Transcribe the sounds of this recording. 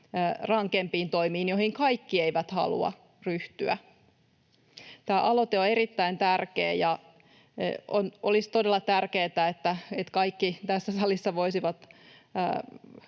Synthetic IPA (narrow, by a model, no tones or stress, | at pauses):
rɑŋkempiːnt̪oimiːnjohiŋkɑikːieiʋæt̪hɑ̰lṵɑ̰ | ryht̪yæ̰ | t̪æːʔɑlot̪eoerit̪ːæint̪ærkḛːjɑ̰ | ʔonʔo̰list̪odelːˑɑt̪ærkeːt̪æet̪ːæet̪kɑikːit̪æsːæsɑlisːɑʋoisiʋɑt̪ː